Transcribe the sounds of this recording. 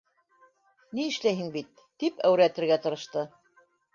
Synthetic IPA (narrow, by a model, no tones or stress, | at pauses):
niɘ̆ʃlæjɦɘŋbit̪ːipæwɾæt̪ɘ̆ɾɡæt̪ɤ̆ɾɤ̆ʃt̪ɤ